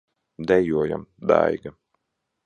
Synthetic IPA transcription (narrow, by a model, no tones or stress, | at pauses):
d̪ɛjuɔja̰md̪a̰jɡa